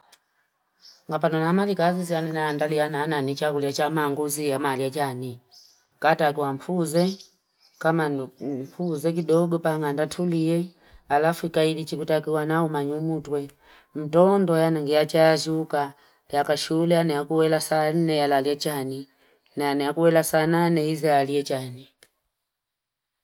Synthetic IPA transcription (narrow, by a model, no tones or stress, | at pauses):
ŋɡapanɔnamalikazizianɛnaandalijanaːnanit͡ʃakuliat͡ʃamaŋɡuzijamaliat͡ʃani | katakiwam̩fuzɛ | kamanm̩fuzɛk̬iɗɔɡɔpaŋandatʰuliɛ | alafuikailit͡ʃikutakiwanaumaɲumutwɛ | m̩tɔndɔjanaŋɡijat͡ʃaazuka | pakaʃulɛanɛjakuwɛlasan̩nɛjalaliɛt͡ʃani | naanɛjakuwɛlasaːnanɛhizɛalijɛt͡ʃani